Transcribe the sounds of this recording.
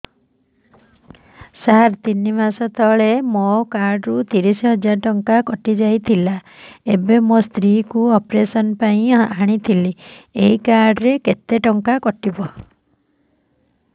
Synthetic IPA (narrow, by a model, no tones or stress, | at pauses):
saɾt̪inːimasɔt̪ʰɔɭemokaɾɖɾut̪iɾisiɦɔd͡ʒaɾʈɔŋkakɔʈid͡ʒajt̪ʰila | ebemost̪ɾikuɔpɾesɔnpaĩaɽ̃it̪ʰilieɦikaɾɖɾeket̪eʈɔŋkakɔʈibɔ